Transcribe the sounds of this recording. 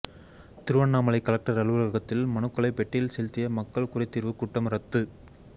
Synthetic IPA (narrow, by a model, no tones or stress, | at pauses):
t̪ɪɾɯʋɐɳːaːmɐlɐɪkːɐlɐk̚ʈɐɾɐɭɯʋɐlɐɐɣɐt̪ːɪlmɐnɯkːɐlɐɪpɛʈːɪjlsɛlt̪ːɪjɐmɐkːɐɭkʊrɐɪt̪ːiːɾʋɯkʊʈːɐmɾɐt̪ːɯ